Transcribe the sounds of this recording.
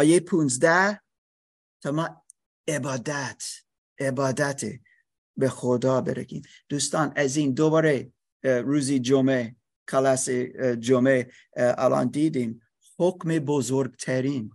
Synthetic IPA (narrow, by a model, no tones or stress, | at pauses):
ɒːjepʰũnzd̪æ | t̪ʰɒːmɑː | ebɑːd̪æt̪ | ebɑːd̪æt̪ʰḛ | bexod̪ɑːbeɾeɡḭːmd̪̥uːst̪ɑːnæziːnd̪obɒːɾe | ɾuːzid͡ʒome | kʰɑlɑsed͡ʒomḛː | lɑ̰nd̪iːd̪im | hokmebozoɾɡt̪ʰæɾin